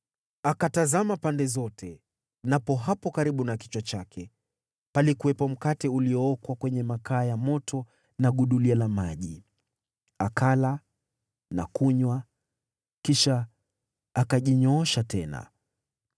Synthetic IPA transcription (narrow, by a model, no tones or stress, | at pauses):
akatazamapandɛzɔtʰɛ | napɔɦapɔkaɾiɓunaki̥t͡ʃwat͡ʃakʰɛ | palikuwɛpɔm̩katɛuliɔɔkwakwɛɲɛmakaːjamɔtɔ | naɠuɗulialamaʄi | akʰala | na̰kuɲwa | kiʃaː | kaʄiɲɔɔʃatɛna̰